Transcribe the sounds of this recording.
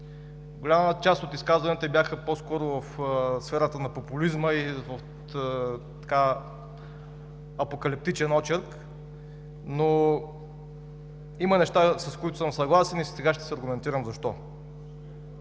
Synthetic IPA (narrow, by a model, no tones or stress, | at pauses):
ɡolʲamət͡ʃast̪ot̪iskazvɐnɛt̪ɛbʲjaxəposkɔɾʊvɐfsfɛɾət̪ənɐpopulizməivəf | t̪ɐ̥ka | ɐpokɐlip̚t̪it͡ʃɛnɔt͡ʃɛɾk | no | imənɛʃt̪asɐskʊit̪ʊ̥səmsɐɡlˠasɛnissɛɡaʃt̪ɛ̥sɛɐɾɡʊmɛnt̪iɾəmzɐʃt̪ɔ